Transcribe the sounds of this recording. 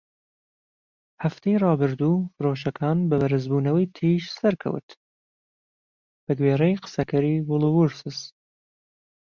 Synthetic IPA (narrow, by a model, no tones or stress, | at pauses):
haft̪ʰejrɑːbɨɾd̪uːfɨɾoːʃɐkʰɑːnbɨbɐɾɨzbuːnɐwɐjt̪ʰiʃsɐɾkʰɐ̰w̰t̪ | b̥ɨɡweːɾɛjqɨ̥sɐkʰɐɾiːvʊlˠɨwuɾsɨs